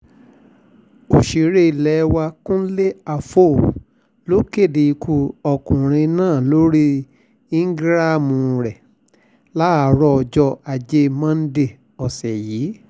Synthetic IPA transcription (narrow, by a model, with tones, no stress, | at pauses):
o˨ʃi˨ɾe˧˦i˨lɛ˨˧wa˧kũ˦le˦a˧fo˦˨ | lo˦ke˦˨de˨i˧kʰu˧ɔ˧˨kũ˨ɾ̃ĩ˧nãː˦˨lo˦ɾi˦ | ĩ˦ŋ̩˦ɡɾa˦˨mũ˨ɾɛ˨ | la˦˨ɾɔ˧ɔ˧˨d͡ʒɔ˧a˨d͡ʒe˧mã˦n̩˦de˦˨ | ɔ˨sɛ˨jiː˨˦